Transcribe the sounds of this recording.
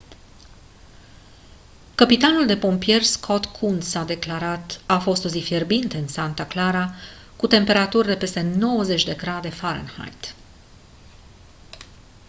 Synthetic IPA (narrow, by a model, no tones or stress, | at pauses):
kəpit̪anuld̪e̞po̞mpije̞rskʰo̞t̪kʰund̪sad̪e̞klaɾat̪afo̞st̪ozifjerbint̪ɨnsant̪aklaɾa | kut̪e̞mpe̞ɾat̪urʲd̪e̞pe̞st̪e̞no̞wəze̞t͡ʃʲd̪e̞ɡɾad̪e̞faɾə̰nha̰jt̪